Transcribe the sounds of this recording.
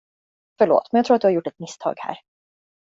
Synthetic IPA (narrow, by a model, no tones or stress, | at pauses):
fœɭo̰ːt̪mɛnjɑkt̪ɾuːat̪d̪ɵhaɾjʊʈːɛt̪mɪst̪ʰɑ̰ːɡhæ̰ːɾ